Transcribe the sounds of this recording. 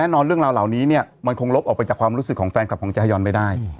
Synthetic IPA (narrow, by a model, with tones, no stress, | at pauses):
ɛː˥˩nɔː˧nɾɯ˥˩əɾaː˧wlaː˨˩wniː˦˥ni˥˩ɐ | ma˧nkʰo˧ŋlo˦˥p̚ʔɔː˨˩k̚pa˧jt͡ɕaː˨˩kʰwaː˧mɾuː˦˥sɯ˨˩kʰːɔː˩˦ŋfɛː˧nkʰa˨˩kɔː˩˦t͡ɕa˧˥ha˧jɔː˧nma˥˩jdaː˥˩j